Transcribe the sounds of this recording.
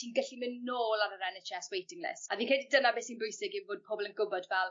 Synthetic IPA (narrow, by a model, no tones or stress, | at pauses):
tʰiːnɡəɬimɪnːoːlˠaɾəɾɛnet͡ʃɛswejtʰɪŋlɪ̰saviːnkʰɛdidənabeːsiːnbʊjsɪɡivoːd̚pʰɔbɔlˠənɡʊbɔdvɛlˠ